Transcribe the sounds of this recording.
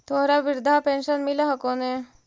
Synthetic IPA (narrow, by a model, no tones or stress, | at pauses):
t̪ʰoːɾaʋiɾd̪ʱapẽnʃənmilaɦɐkone